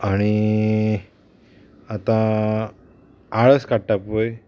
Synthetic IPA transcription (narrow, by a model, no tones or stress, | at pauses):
aɽ̃i | at̪ã | aɭəskaʈːapoj